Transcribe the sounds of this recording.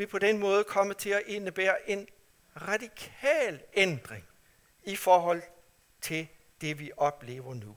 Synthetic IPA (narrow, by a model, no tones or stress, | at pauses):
ʋipʰɒ̽d̥enmɔ̽ːð̞ˠəkʰɒ̽mət͡sʰe̝læʔe̝nəb̥eːɐʔe̝n | ʁɑ̈d̥ikʰɛ̰ːlend̥ʁeŋ | ifɒːɦɒ̽l̰ | t͡sʰe̝l | d̥e̝ʋiʔɒ̽b̥le̝̰ːʊɐnu